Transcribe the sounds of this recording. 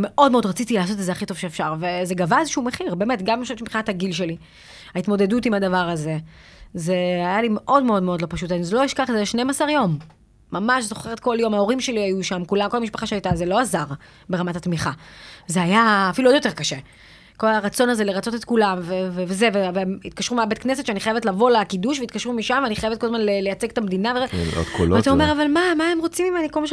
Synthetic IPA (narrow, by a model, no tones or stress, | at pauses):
me̞ʔo̞dme̞odʁat͡sitilaːs̬ot̪̬etzeaχito̞v̥ʃeːfʃaʁveze̞ɡavaezeʃuume̞χiʁbe̞ːmetɡamimʃaemimχinat̪aɡilʃe̞li | aitmo̞de̞dutimadavaʁaze̞ | ze̞ajalimeʔo̞dmeo̞dmeodlo̞paʃutanizeloiʃkaχezeʃnemasaʁjo̞mː | amaʃzo̞χeʁetko̞ljo̞mao̞ʁimʃe̞liajuʃamkulamkolamiʃpaχaʃeajtazelo̞azaʁ | be̞ʁamatat̪miχazeajaːfiluodjot̪e̞ʁkaʃe | ko̞laʁat͡so̞naze̞leʁat͡so̞t̪et̪̚kulamvevevezevevemit̪̚kaʃʁumeabet̪knes̬etʃeaniχajevetlavo̞lakiduʃ̬veit̪̚kaʃʁumiʃamveaniχajevet̪kolzmanlelejat͡seɡet̪amed̪inaveo̰t̪kʰolat̪aomeʁavalmamae̞mʁot͡simimenikolmaʃ